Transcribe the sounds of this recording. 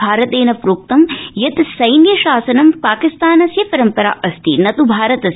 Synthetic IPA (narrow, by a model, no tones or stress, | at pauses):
aːɾɐt̪eːnɐpɾuːk̚t̪ɐmjɐt̪sɐjnjɐʃaːsɐnɐmpaːkist̪aːnɐsjɐpɐɾɐmpɐɾa̰ːʔɐst̪ʰinɐt̪ubʱaːɾɐt̪ɐs